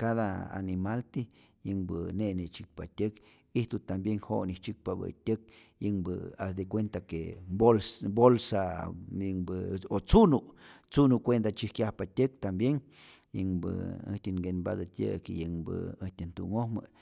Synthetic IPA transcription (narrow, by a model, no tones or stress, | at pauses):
kaðaa̰nimalt̪i | jəŋbəneʔnet͡ʃik̚pat̪ʲək | iht̪ut̪ambjeŋhoniht͡ʃik̚pabə̰t̪ʲək̚ | jəŋbəasd̪ikʷent̪akebolsbolsajəŋbɨot͡sunuʔ | t͡sunukʷend̪at͡ʃihkjahpat̪ʲək̚t̪ambjeŋ | jəŋbɨ̰ə̰ht̪ʲiŋɡenba̰d̪at̪ʲjə̰kejəŋbɨ̰əht̪ʲənt̪ṵŋohmə̰